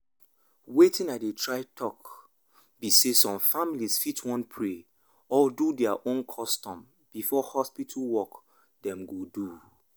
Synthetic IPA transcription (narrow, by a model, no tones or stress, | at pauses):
wetĩnadetʰɹaɪtʰɔk | bisesɔ̃mfamilisfitʰwɔ̃npʰɹe | ɔdudɛaʔõnkʰɔstɔ̃m | b̥ifɔhɔspitʰlwɔk | dɛ̃mɡodu